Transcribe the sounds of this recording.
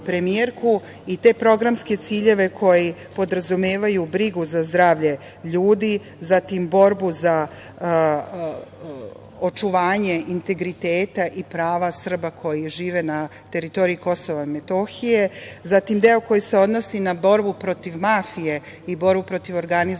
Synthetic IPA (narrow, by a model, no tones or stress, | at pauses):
pɾe̞mieɾku | it̪e̞ːpɾo̞ɡɾamske̞t̪siːʎe̞ʋe̞kʰo̞jipo̞d̪ɾazumeːʋajubɾiɡuzazd̪ɾaːʋʎe̞ | ʎuːd̪i | zat̪imbo̞ɾbuza | ot͡ʃuʋaːɲe̞ʔint̪e̞ɡɾit̪eːt̪aʔipɾaːʋasr̩bakʰo̞jiʒiːʋe̞na | t̪e̞ɾit̪o̞ɾiiko̞so̞ʋamet̪o̞xije̞zat̪imd̪e̞o̞ko̞jise̞o̞d̪no̞sinabo̞ɾbupɾo̞t̪iʋmaːfije̞ | ibo̞ɾbupɾo̞t̪iʋo̞ɾɡaniz